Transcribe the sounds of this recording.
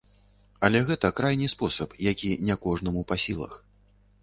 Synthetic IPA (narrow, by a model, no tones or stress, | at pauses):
ɐlʲɛɣɛt̪ɐkɾajnʲɨspɔsɐpjakʲinʲɛkɔʐnɐmupasʲilˠɐ̰x